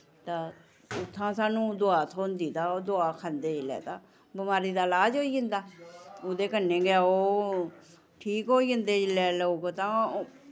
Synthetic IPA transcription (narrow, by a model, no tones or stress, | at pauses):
t̪aː | ʊt̪ʰːãːsaːnũːd̪ʊaːt̪ʰoːnd̪iːt̪aːoːd̪ʊaːkʰaːnd̪eːd͡ʒɪlɛ̰ːt̪aː | bəmaːɾiːd̪aːlaːd͡ʒɦoːiːɪnd̪aːod̪eːkənːeːɡaoː | ʈʰiːkɦoːiːənd̪eːd͡ʒɪlɛːləuːɡt̪ãː